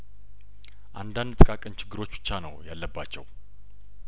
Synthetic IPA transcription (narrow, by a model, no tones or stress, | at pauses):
ʔa̰nd̪and̪t̪ʼɨkʼakʼənt͡ʃʰɪɡːɨɾo̞t͡ʃːbɨt͡ʃːanəwjalːəbːat͡ʃːɛ̰w